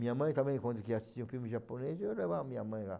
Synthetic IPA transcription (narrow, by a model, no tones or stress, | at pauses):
mĩɲamɐ̃j̃t̪ãmbẽj̃kwɐ̃nd̪ʊkiasid͡ʒ̪iũfimiʒaponezelevamĩɲamɐ̃j̃la̰